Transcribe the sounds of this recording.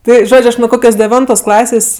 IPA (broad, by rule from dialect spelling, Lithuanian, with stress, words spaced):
ˈtɐɪ ˈʒoːt͡ʃʲ ˈɐʃ nʊ ˈkoːkʲoːs dʲɛˈʋʲɪntoːs ˈklˠɑːsʲeːsʲ